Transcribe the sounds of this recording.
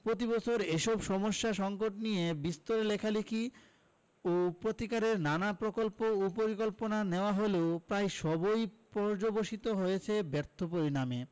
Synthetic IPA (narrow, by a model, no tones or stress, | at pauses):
pɾot̪̬ibɔt͡ɕʰoɾeʃɔbʃɔmoʃːaʃɔŋkoʈnijebist̪oɾelekʰalikʰi | opɾot̪ikaɾeɾnanapɾokolpoupoɾikolponaneoaɦoleopɾajʃɔbojpɔɾd͡ʑoboʃit̪oɦojet͡ɕʰebɛɾt̪ʰopoɾiname